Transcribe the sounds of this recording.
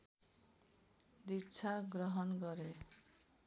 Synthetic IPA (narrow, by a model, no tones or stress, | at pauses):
d̪it͡sʰaɡɾɔɦɔnɡʌɾe